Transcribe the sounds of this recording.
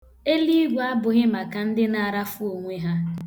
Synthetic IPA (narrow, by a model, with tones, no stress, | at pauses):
e˦li˦ɡʷa˦bʊ˨ɣɪ˦ma˨ka˨n̩˦dɪ˦na˨ɾa˦fu˦o˨ŋʷe˦ɦa˦